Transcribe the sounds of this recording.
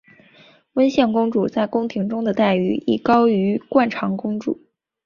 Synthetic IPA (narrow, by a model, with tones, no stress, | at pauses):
wə˥nɕjɛ˥˩nkʊ˥ŋʈ͡ʂu˥˩t͡sa˥˩ɪkʊ˥ŋt̪ʰi˧˥ŋʈ͡ʂʊ˥ŋd̪ə˨t̪a˥˩ɪy˧˥i˥˩kɑ˥ʊy˧˥kwa˥˩nʈ͡ʂʰɑ˧˥ŋkʊ˥ŋʈ͡ʂṵ˥˩˦